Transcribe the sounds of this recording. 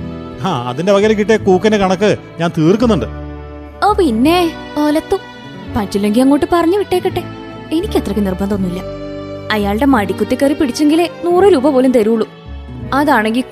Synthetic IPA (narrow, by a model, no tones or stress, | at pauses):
aːɐ̰ðindeʋɐɣɐɾɐkiʈːekuːkːɐnekɐɳɐkːɨɲaːnt̪iːrk̬ːunːuɳɖɨ | oːpinːe | oːlɐt̪ːu | pɐt͡ɕːilːeŋɡilɐŋːo̞ːʈːɨpɐrɐɲːɨʋiʈːe̞ːkːɐʈːe | e̞nikʲːet̪ːrɐkːɨnirbɐnd̪onːuilːɐɐjaːɭɨɽe̞mɐɽikʲːut̪ːikːaːɾipiɽit͡ɕːeŋɡilenuːrɨɾuːbɐpo̞ːlemt̪eɾuuɭːu | ɐðaːɳe̞ŋɡil